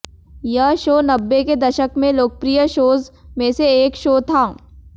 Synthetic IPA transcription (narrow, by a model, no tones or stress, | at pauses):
jəɦʃoːnɐbːeked̪ɐʃəkmẽloːk̚pɾijəʃoːzmẽseeːkʃoːt̪ʰãː